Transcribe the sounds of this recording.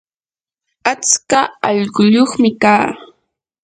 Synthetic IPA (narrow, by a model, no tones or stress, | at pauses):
at͡skaɑʎɢʊʎoχmɪkaː